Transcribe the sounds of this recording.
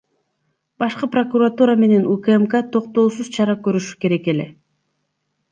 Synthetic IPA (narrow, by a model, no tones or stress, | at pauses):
bɑʃqɯpro̞kuɾat̪uɾame̞ne̞nukːmkat̪ʰo̞qt̪o̞ːsuz̥t͡ʃʰɑɾɑkøɾyʃy̥ke̞ɾe̞ke̞le̞